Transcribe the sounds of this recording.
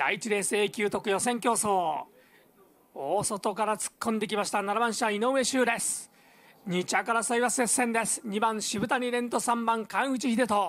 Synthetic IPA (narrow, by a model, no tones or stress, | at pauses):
d̪̥ait͡ɕiɾe̞ːsɨe̞ːkʲɨːt̪o̞kɯ̟jo̞sẽ̞ŋkʲo̞ːsoː | oːso̞t̪o̞kaɾat͡sɨ̥kʰːõnd̪e̞k̬ʲimaɕi̥t̪anaɾabãɰ̃ɕiβaino̞ːme̞ɕɨːɾe̞sɨ̥ | ɲ̟it͡ɕiakaɾasaiβasesːẽ̞nd̪e̞sɨ̥ɲ̟ibãɰ̃ɕibɯ̟t̪aɲ̟iɾẽ̞nt̪o̞sãmbãŋkãɰ̃ɯ̟t͡ɕiçid̪e̞t̪o̞